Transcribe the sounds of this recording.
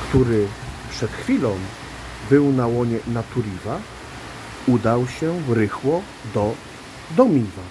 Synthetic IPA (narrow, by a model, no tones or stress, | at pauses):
kt̪uɾɘpʂɛt̪xfʲilɔ̃w̃ | bɘwnawɔɲɛnat̪uɾʲiva | ud̪awɕɛɾɘxwɔ | d̪ɔ | d̪ɔmʲiva